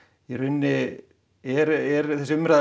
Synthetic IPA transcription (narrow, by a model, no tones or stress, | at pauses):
ɛrʏnːɪ | ɛɾɛɾθɛsɪʏmɾa